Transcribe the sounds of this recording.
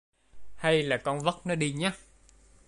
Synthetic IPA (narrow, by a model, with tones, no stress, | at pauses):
ha˧jlaː˨˩kɔ˧nvə˦˥t̚nɔ˨˦ɗi˧ɲaː˨˦